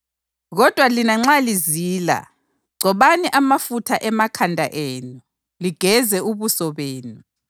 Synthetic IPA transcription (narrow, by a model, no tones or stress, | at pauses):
ɣɔd̥ʱwalinaŋ͡ǀaliziːla̰ | ɡ͡ǀʱɔβaniʔamafutʰaʔɛmakʰandʱa̰ʔeːnu | liɡ̥ʱɛzɛuβusɔβeːnu